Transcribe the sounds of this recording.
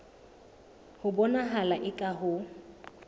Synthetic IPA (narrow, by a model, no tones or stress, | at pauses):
hʊbɔnaɦalaʔɪkʼaɦʊ